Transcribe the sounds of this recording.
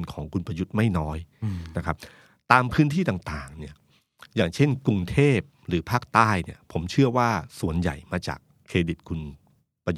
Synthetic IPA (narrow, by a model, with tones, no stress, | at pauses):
nkʰɔː˩˦ŋkʰu˧npɾa˧ju˦˥t̪̚ma˥˩jnɔː˦˥jna˦˥kʰa˦˥p̚ | t̪aː˧mpʰɯː˦˥nt̪ʰiː˥˩t̪aː˨˩ŋt̪aː˨˩ŋni˥˩ɐ | jaː˨˩ŋt͡ɕʰe˥˩nku˧ŋt̪ʰeː˥˩p̚ɾɯː˩˦pʰaː˥˩k̚t̪aː˥˩jni˥˩ɐpʰo˩˦mt͡ɕʰɯ˥˩ɐwaː˥˩su˨˩ənja̰˨˩jmaː˧t͡ɕa̰ː˨˩kʰːeː˧di˨˩t̪̚kʰu˧n | pa˧j